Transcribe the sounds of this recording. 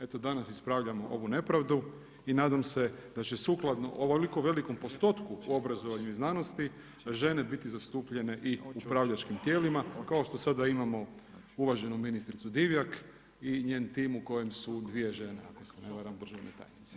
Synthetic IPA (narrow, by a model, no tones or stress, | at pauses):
e̞t̪od̪anasispɾaʋʎamo̞ʔo̞ʋune̞pɾaʋd̪u | inaːd̪amse̞d̪̥at͡ɕesuklˠad̪no̰ʔoʋlikoʋe̞liko̞mpo̞st̪o̞t̪kuuobɾazo̞ʋaɲuiznaːno̞st̪i | ʒe̞ne̞bit̪izast̪uːpʎe̞ne̞ʔiupɾaʋʎat͡ʃkimt̪je̞ːlimakaoʃt̪o̞sad̪aimamo̞ | uʋaʒe̞numinist̪ɾit̪sud̪iʋjak | iɲeːnt̪iːmuko̞jemsud̪ʋije̞ʒe̞nea̰koseneʋaɾamd̪r̩ʒaʋnet̪a̰ːjnit̪se̥